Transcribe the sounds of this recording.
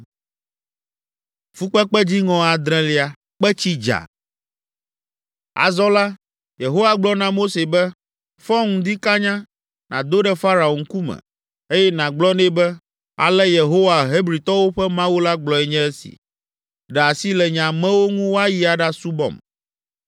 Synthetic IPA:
fu˦k͡pɛ˦k͡pɛ˦d͡ʑi˦ŋɔ̃˨a˨d̪ɾɛ̃˦li˨a˨ | k͡pɛ˦t͡ɕi˦d͡ʒa̰˨ | a̰˨zɔ˦la˦ | je˨ɦo˦wa˨ɡ͡blɔ˦nã˦mo˦se˨bɛ˦ | fɔ̃˦ŋũ˨d̪i˦ka˦ɲã˦ | nã̰˨d̪o˦ɖɛ˦fa˦ɾa˨o˨ŋ̩˦ku˦mɛ̰˨ | e˦jɛ˦nã˨ɡ͡blɔ˦nɛ̃˦bɛ˦ | a̰˨lɛ˦je˨ɦo˦wa˨ɦe˦bɾi˨t̪ɔ˦wo˦ɸɛ˦mã˦wu˦la˦ɡ͡blɔ˨ɛ˨ɲɛ̃˦ɛ˦sḭ˨ | ɖɛ˨a˨si˦lɛ˨ɲã˨mɛ̃˦wo˦ŋũ˦wo˦a˦ji˦a˨ɖa˦su˦bɔ̰̃˦˨m

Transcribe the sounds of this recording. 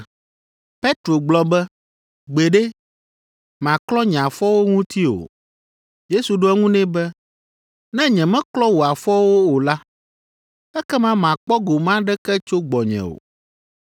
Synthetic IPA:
pe˦t̪ɾo˨ɡ͡blɔ˦bɛ˦ | ɡ͡be˨ɖe˦ | mã˨klɔ˦ɲɛ̃˨a˨fɔ˦wo˦ŋũ˦t̪i˦o̰˨ | je˦su˨ɖo˦ɛ˦ŋũ˦nɛ̃˦bɛ˦ | nɛ̃˦ɲɛ̃˨mɛ̃˦klɔ˦wo˨a˨fɔ˦wo˦o˨la˦ | ɛ˦kɛ˦mã˦m˨ã˨k͡pɔ˦ɡo˨mã˦ɖɛ˦kɛ˦t͡ʃo˦ɡ͡bɔ˨ɲɛ̰̃˨o̰˨

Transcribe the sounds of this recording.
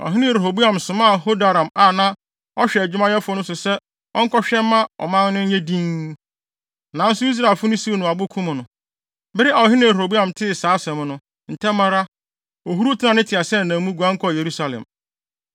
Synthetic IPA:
ɔ̰˨ɦɪ˦nɪ̃˦˨ɾe˨ɦo˨bu˦ã˨msʊ̃˨mã˦˨ho˦da˨ɾã˨ma˨nã˦ | ɔ˦ɕᶣɛ˨d͡ʑɪ˦mã˦jɛ˦fʊ˦ɔ˦nʊ̃˦sʊ˨sɛ˦ | ɔ˦ŋ̩˦kʰɔ˦ɕᶣɛ˦m˦mã˦ɔ̰˨mã˦ŋ˦nɪ̃˦ɲɛ̃˦dĩ˦ŋ | nã˨n̩˦sʊ˦i˦s̬ɾa˨lfʊ˦nʊ̃˦si˦e˦˨nʊ̃˨a˨bʊ˦kʰũ˦mʊ̃˨nʊ̃˨ | bɪ˦ɾɪ˦a˨ɔ˨ɦɪ˦nɪ̃˦˨ɾo˨bu˦ã˨mtʰɪ˦˨saː˨˦sɛ̃˨m˦nʊ̃˦ | n̩˨tʰɛ˦mːã˦ɾa˦ | o˨ɦu˦ɾu˦tʰɪ˦nã˨nɪ̃˦tʰɪ˨a˨sɛ˦˨nã˨mũ˦ɡu˨ã˦ŋ̩˦kʰɔ˦˨je˨ɾu˦sa˦lɛ̰˨m

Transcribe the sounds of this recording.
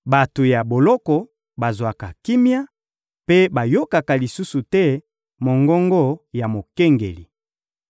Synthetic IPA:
ba˨to˨ja˨bo˨lɔ˦kɔ˨ | ba˨zwa˨ka˨ki˦mja˦ | pe˦ba˨jo˦ka˨ka˨li˨su˦su˨tɛ˦ | mo˨ŋɡɔ˦ŋɡɔ˦ja˨mo˨ke˦ŋɡḛ˨li˨

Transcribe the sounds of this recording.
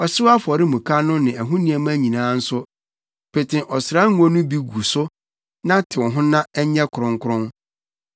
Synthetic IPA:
ɔ˨sɪ˦wa˦fɔ˨ɾɪ˦mũ˨kʰa˦nʊ̃˦nɪ̃˨æ˨ɦũ˦nĩ˨ɛ˨m˦æ˦ɲĩ˨nãː˦n̩˦sʊ˦ | pʰɪ˨tʰɪ̃˨ʔɔ˨sɾa˦ŋ̩˦ɔ̃˦nʊ̃˦bi˦ɡu˨sʊ˦ | nã˦tʰɪ˨wɔ̃˨ɦʊ̃˦nã˦ɛ˦ɲɛ̃˦kʰʊ˨ɾʊ̃˨ŋ˦kʰʊ˦ɾʊ̃˦n

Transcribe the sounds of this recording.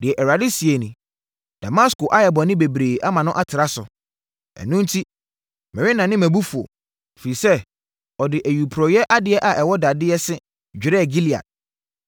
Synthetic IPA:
dɪ˨ɛ˨ʔɛ˨ɾa˨dɪ˦si˨e˨nĩ˨ | d̥a˨ma˦skʊ˨ʔa˦jɛ˨bɔ˨nɪ̃˦be˨bɾeː˨ʔa˦mã˨nʊ̃˦ʔa˦tʰɪ˨ɾa˦sʊ̰˨ | ɛ̰˨nũ˦n̩˦tʰi˦ | mɪ̃˨ɾɪ˦nã˨nɪ̃˦mæ̃˨bu˦fu˨ɔ̰˨ | fi˨ɾi˨sɛ˦ | ɔ˨dɪ˨ʔæ˨ju˨pʰɾɔ˨jɛ˦ʔa˦dɪ˦ɛ˦ʔa˨ʔɛ˨wɔ˦da˨dɪ˦ɛ˦sɪ˦ | d͡ʑᶣɾɛ˦˨ɡi˦li˨a̰˨d̚

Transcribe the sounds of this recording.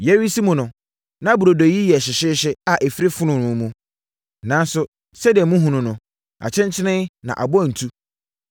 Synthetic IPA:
jɛ˦ɥi˦si˦mʊ̃˨nʊ̃˨ | nã˦bu˨ɾo˨do˨ji˦jɛ˨ɕɪ˨ɕɪ˦ɕɪ˦a˨ʔe˨fi˦ɾi˦fʊ˦nʊ̃˨nʊ̃˨˦mũ˦ | nã˨˦n˦sʊ˦ | sɛ˦dɪ˨ɛ˨mũ˦ɦũ˨nʊ̃˨nʊ̃˨ | a̰˨t͡ɕʰɛ̃˦ɲt͡ɕʰɪ˦nɪ̃˦nã̰˨ʔa̰˨bʊ˦a˨n̩˨tʰu˦

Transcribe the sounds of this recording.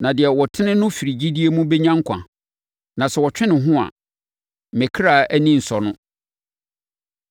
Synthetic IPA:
nã˨dɪ˨ɛ˨wɔ˨tʰɪ˦nɪ̃˦nʊ̃˦fi˨ɾi˨d͡ʑi˦di˦e˦mũ˦bɛ˦ɲã˦ŋ̩˦kʷʰã̰˨ | nã˨sɛ˨wɔ˨t͡ɕᶣɪ˦nɪ̃˨ɦʊ̃˦a̰˨ | mɛ̃˨kʰɾa˨æ˦nĩ˦˨n̩˨sɔ˨nʊ̃˦

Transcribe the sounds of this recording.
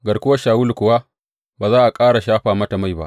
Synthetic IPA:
ɡɐ˨ɽkʷʊ˦wa˦ʃaː˨wʊ˦lkʷʊ˨wa˦ | baː˨zaː˦ʔa˨kʼaː˦ɽa˨ʃaː˦ɸaː˨mɐ˦ta˨ma˦˨jba̰˦ʔ

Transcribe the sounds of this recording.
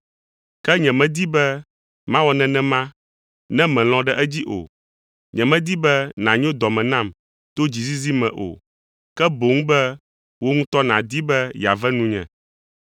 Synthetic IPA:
kɛ˦ɲɛ̃˨mɛ̃˨d̪i˦bɛ˦ | mã˦wɔ˦nɛ̃˨nɛ̃˦mã˦ | nɛ̃˦mɛ̃˨l̃ɔ̃˦ɖɛ˦ʔɛ˦d͡ʑi˦ʔo̰˨ | ɲɛ̃˨mɛ̃˦d̪i˦bɛ˦nã˨ɲõ˦d̪ɔ˨mɛ̃˨nã˦˨m | t̪o˦d͡ʑi˨zi˦zi˦mɛ̃˨ʔo̰˨ | kɛ˦bo˨ŋ̃˦bɛ˦ | wo˦ŋũ˦t̪ɔ˦nã˨d̪i˦bɛ˦ja̰˨vɛ˦nũ˦ɲɛ̰̃˨

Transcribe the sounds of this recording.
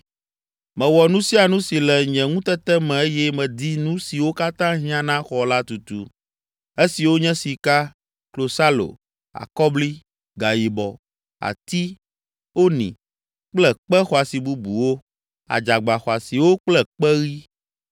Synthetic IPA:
mɛ̃˨wɔ˨nũ˦si˦a˨nũ˦si˨lɛ˨ɲɛ̃˨ŋũ˦t̪ɛ˦t̪ɛ˦mɛ̃˨e˦jɛ˦mɛ̃˨d̪i˦nũ˦si˨wo˦ka˦t̪ã˦ɦĩ˦ã˦nã˦xɔ˨la˦t̪u˨t̪ṵ˨ | e˦si˨wo˦ɲɛ̃˦si˨ka˦ | klo˨sa˦lo̰˨ | a̰˨kɔ˦bli˦ | ɡa˨ji˨bɔ˨ | a̰˨t̪i˦ | wo˦nḭ̃˨ | k͡plɛ˦k͡pɛ˦xɔ˨a˨si˨bu˦bu˨wo˦ | a̰˨d͡ʒa˨ɡ͡ba˨xɔ˨a˨si˨wo˦k͡plɛ˦k͡pɛ˦ɣi˦

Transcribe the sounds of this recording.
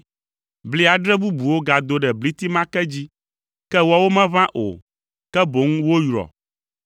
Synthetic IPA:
bli˦a˨ɖɾɛ˦bu˦bu˨wo˦ɡa˨d̪o˦ɖɛ˨bli˦t̪i˦mã˦kɛ˦d͡ʑi˦ | kɛ˦wa˦wo˦mɛ̃˦vã˦ʔo̰˨ | kɛ˦bo˨˦ŋ˦wo˦jɾɔ̰˨

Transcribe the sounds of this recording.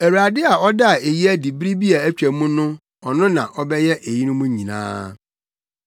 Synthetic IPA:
æ˨wu˨a˨dɪ˦a˨ɔ˦da˦˨e˨ji˦æ˦di˨bɾi˦bi˦a˨æ˦t͡ɕᶣæ˨˦mũ˦nʊ̃˦ | ɔ˨nʊ̃˦nã̰˨ʔɔ˦bɛ˦jɛ˦ʔe˨ji˦nʊ̃˦mũ˦ɲĩ˨nã̰ː˦

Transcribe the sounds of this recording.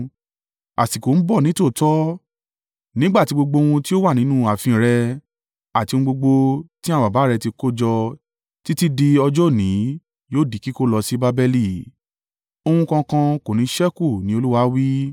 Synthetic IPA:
a̰˨si˨ko˨n̩˦bɔ˦˨nĩ˦to˦˨tɔ˦ | nĩ˦ɡ͡ba˦˨ti˨˧ɡ͡bo˧ɡ͡bo˧w̃ũ˧ti˦o˦wa˦˨nĩ˨˦nũ˦˨a˨fĩ˧˨ɾɛ˧ | a˨tĩ˧ũ˧ɡ͡bo˧ɡ͡bo˧tĩ˦a˦˨wa˨ba˨˦˨ɾɛ˧ti˧ko˦d͡ʒɔ˧ | ti˦ti˦di˧ɔ˧d͡ʒɔ˦˨nĩ˨˦ | joː˦˨di˨ki˦ko˦lɔ˧si˦ba˦bɛ˧li˦˨ | o˧hũ˧kã˧kã˧ko˨nĩ˨˦ʃɛ˦ku˦˨nĩ˨˦o˧lu˦wa˧˦wi˦

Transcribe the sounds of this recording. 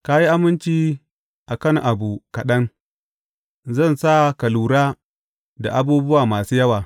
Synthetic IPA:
ka˦ji˦ʔa˦mɪ˦nt͡ʃiː˦ | ʔa˨kɐ˦˨ŋʔa˨buː˨kɐ˨ɗɐ˦ŋ | zɐ˦˨nsa˦˨kɐ˨luː˨ɾaː˦ | da̰˨ʔa˦buː˦bʊ˦waː˨maː˨suː˦jɐ˦waː˨

